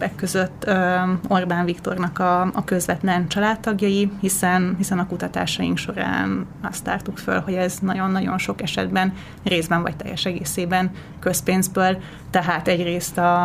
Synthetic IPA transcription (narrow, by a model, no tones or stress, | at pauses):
bɛkːø̞zøt̪ːøo̞rbaːɱvikt̪o̞̰rnɒkɒɒkø̞zʋɛt̪lɛnt͡ʃɒlaːt̪ːɒɡjɒjihisɛnɦisɛnɒkut̪ɒt̪a̰ːʃɒjḭŋkʃo̞ɾa̰ːnɒst̪a̰ːrt̪ukfø̰lhoɟɛznɒɟo̞nːɒɟo̞̰nʃo̞kɛʃɛ̰d̪bɛn | reːzbɛɱvɒ̰c̚t̪ɛ̰jːɛ̰ʃɛɡḛːseːbɛn | kø̞speːnzbøːl | t̪ɛɦaːt̪ɛɟreːst̪ɒ